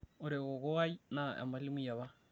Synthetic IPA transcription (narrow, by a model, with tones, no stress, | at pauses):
o˨ɾe˨ɣo˨ɣo˦a˦i˦na˦˨a̰˨ma˦li˦mi˦ja˨βa˦